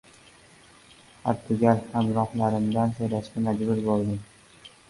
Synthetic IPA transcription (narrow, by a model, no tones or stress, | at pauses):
ha̰ɾt̪ʰʊɡʲalhamɾɒχlaɾɪmd̪ansojlaʃkʲamad͡ʒbʊɾbolˠd̪ɪm